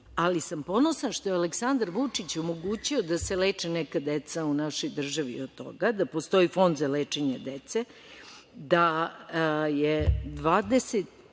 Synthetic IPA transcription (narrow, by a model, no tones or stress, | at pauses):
alisampo̞nosanʃt̪ojealeksand̪aɾʋut͡ʂit͡ɕomo̞ɡuːt͡ɕio̞d̪aseleːt͡ʂenɛkad̪et̪saunaʃo̞jd̪r̩ʒaʋiod̪t̪o̞̰ɡad̪apo̞st̪o̞ifo̞nd̪zaleːt͡ʂeɲad̪et̪se | d̪a | jed̪ʋaːd̪eset̪